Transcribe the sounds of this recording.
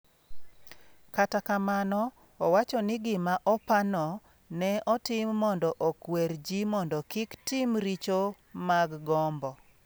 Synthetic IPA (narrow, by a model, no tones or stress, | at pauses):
katakamanɔ | ɔwat͡ʃɔnɪɡɪmaʔɔpanɔ | nɛʔɔtɪmːɔndɔʔɔkweɾd͡ʒimɔndɔkɪktɪmɾit͡ʃo | maɡɡɔmbɔ